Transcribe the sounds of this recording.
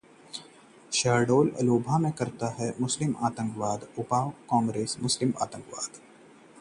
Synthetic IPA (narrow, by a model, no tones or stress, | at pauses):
ʃaːɖoːlɐ̰loːbʱamẽkɐɾt̪aɦɛmʊslɪma̰ːt̪ə̃ŋkʋaːd̪ʊpaːwkãːŋɡɾeːsmʊslɪma̰ːt̪ə̃ŋkʋaːd̪